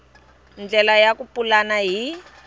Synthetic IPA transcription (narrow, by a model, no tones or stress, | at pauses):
nd͡ɮɛlajakupulanaɦi